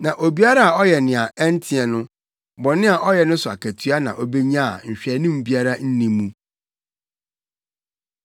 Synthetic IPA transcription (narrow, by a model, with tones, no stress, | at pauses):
nã˨ʔo˨bi˦a˦ɾa˦a˨ɔ˦jɛ˨nɪ̃˨a˨ɛ˦n˦tʰɪ˦ɛ˨nʊ̃˦ | bɔ̃˨nɪ̃˦a˨ʔɔ˦jɛ˨nʊ̃˦sʊ˨a̰˨kʰæ˨tʰɥa˦nã̰˨ʔɔ˨be˦ɲã˦a˨ɲ̩˨ɕᶣɛ˨˦nĩ˦m̩˨bi˦a˦ɾa˦n̩˦nĩ˨˦mũ˦